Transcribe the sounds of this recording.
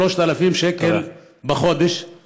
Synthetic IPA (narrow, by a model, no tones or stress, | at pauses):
loʃt̪alafimʃekel | bexod̪eʃ